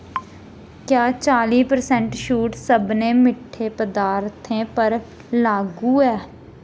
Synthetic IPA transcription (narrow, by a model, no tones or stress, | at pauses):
kjaːt͡ʃaːliːpəɾsɛ̃ɳʈʃuːʈsəbnẽːmɪʈʰːeːpəd̪aːɾt̪ʰẽːpəɾ | laːɡuːɛː